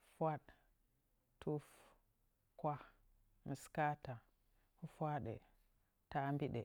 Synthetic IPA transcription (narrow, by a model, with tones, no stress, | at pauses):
fwa˦ɗ | tu˦f | kwa˦ | mi˨ska˦ta˨ | fu˦fwa˦ɗḛ˨ | ta˦mbi˦ɗḛ˨